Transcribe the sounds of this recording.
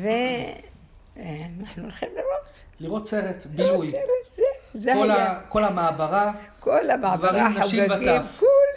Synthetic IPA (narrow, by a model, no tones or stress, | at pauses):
ve | naħnuulχimliɾot̪ | liʁo̞t̪seʁet̪bilujseɾet̪zezekolako̞lamaːbaʁakolamavaʁianaaʃivat̪akol